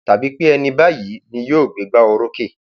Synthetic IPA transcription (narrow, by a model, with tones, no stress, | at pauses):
ta˨bi˨˦k͡pe˦ɛ˧nĩ˧ba˦ji˨˦nĩ˧joː˦˨ɡ͡be˨˦ɡ͡ba˦ɔ˧ɾo˦ke˦˨